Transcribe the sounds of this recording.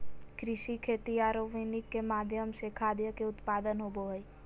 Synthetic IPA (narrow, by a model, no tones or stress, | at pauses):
kɾɪʃikʰeːt̪iaːɾoʋinɪkːemaːd̪ʱjəmsekʰaːd̪jəkeʊt̪paːd̪ənɦoboɦəi